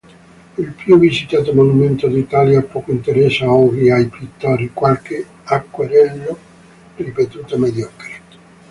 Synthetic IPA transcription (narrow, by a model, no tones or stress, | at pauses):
ilpjuvisit̪aːt̪omonumɛnt̪od̪it̪aːljapːɔːkoint̪eɾɛsːaɔɡiajpit̪ːaɾikwalkɪ | akːweɾɛlːo | ripet̪uːt̪amed̪jɔkɾit̪